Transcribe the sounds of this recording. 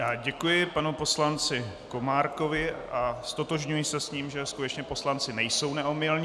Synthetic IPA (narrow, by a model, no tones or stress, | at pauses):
jaːɟɛkujɪpanupo̞slant͡sɪ | ko̞maːɾko̞vɪʔast̪o̞t̪o̞ʒɲujɪsɛsɲiːmʒɛskut̪ɛt͡ʃɲɛpo̞slant͡sɪnɛjso̞wnɛomɪlɲː